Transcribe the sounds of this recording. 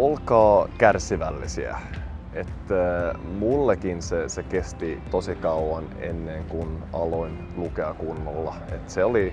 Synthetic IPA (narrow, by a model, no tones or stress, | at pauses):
olkɑːkærsiʋælːḭsiæ̰ | et̪ːæmulːekinsesekest̪it̪osikɑuɑnḛnːeŋkunɑ̰loin | lukeɑkunːolːɑ̰ | et̪seoli